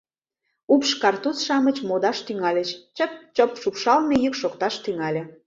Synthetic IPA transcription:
upʃkɑrt̪ut͡sʃɑmət͡ɕmod̪ɑʃt̪yŋɑlʲet͡ɕt͡ɕəp̚t͡ɕopʃupʃɑlnejykʃokt̪ɑʃt̪yŋɑlʲĕ

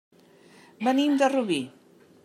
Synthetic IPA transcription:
bənimd̪əruβi

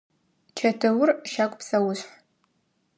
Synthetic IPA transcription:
t͡ʃʰɐtʰɨwʊrʃakʷʼpsɐwʊɕħ

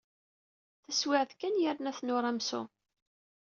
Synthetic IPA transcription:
θæswɪʕðkænjəɾnæθnʊɾˤæmsʊ̰

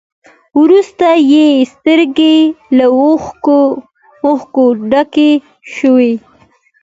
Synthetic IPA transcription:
wɾust̪ajest̪əɾɡela | oxkoɖake | ʃəwe

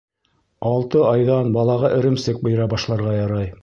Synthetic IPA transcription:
ɑlˠt̪ɤɑjðɑnbɑlˠɑʁɑʔɘ̆ɾɘ̆msɘk̚bɤ̆jɾɑbɑʃlˠɑɾʁɑjɑɾɑj

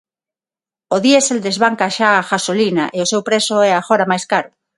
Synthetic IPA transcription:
oðieseld̪ezβaŋkaʃaːxasolinaʔeosewpɾesoɛaxoɾamajskaɾʊ

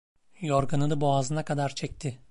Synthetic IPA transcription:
joɾɡanɯd̪ɯboazɯnakʰad̪aɾt͡ʃʰɛc̚t̪ʰɪ

